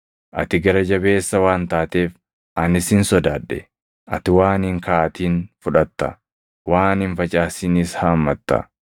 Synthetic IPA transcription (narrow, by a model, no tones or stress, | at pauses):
ʔɐ̰t̪ɪɡɐɾɐd͡ʒɐbe̞ːsːɐwaːnt̪aːt̪eːf | ʔɐnɪsɪnsɔd̪aːᶑːɛ̰ | ʔɐ̰t̪ɪwaːnɪŋkaːt̪iːnfʊᶑɐt̪ːɐ̰ | waːnɪnfɐt͡ʃʼaːsɪniːshɐːmːɐt̪ːɐ̰